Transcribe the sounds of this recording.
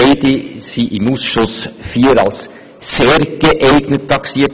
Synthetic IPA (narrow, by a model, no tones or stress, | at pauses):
ɪdɪsiʔɪmuːsʃʊsfiːəɾɑ̰ls | seːɾɡ̥əʔæɪɡnətʰːɑksiːət